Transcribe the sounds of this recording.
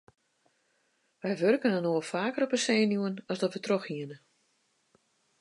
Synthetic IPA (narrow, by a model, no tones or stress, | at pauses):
ʋɛjʋørkənənoːəlfaːkərɔpəseːnjuənɔsdɔtʋətroxhiənə